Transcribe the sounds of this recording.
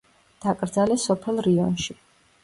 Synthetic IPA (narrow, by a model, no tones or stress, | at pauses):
d̪̥akʼɾd̪zalɛsɔpʰɛlˠɾiɔnʃi